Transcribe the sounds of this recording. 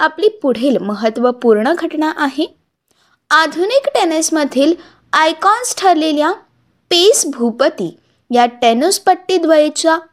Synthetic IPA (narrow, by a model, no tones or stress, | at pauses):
apliːpuɽ̤elməɦət̪ʋəpuɾɳəɡʱəʈɳaʔaɦe | ad̪ʱunikʈenəsməd̪ʱiːl | ajkɔnsʈʰəɾlelja | pesbʱupət̪ḭː | jaʈenuspəʈːiːd̪ʋəjet͡ɕa